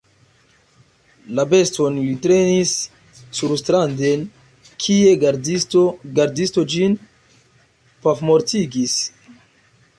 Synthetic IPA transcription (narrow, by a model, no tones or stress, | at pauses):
labe̞sto̞nlitɾe̞nisː | uɾstɾande̞n | kʰie̞ɡaɾditoɡaɾdistod͡ʒin | pafmo̞ɾtiɡis